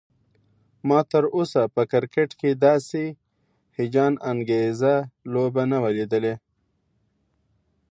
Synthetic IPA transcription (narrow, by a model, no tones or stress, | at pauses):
mɑt̪əɾosapəkɪɾkeʈked̪ɑse | hɪd͡ʒɑnaŋɡezalobanawaled̪əle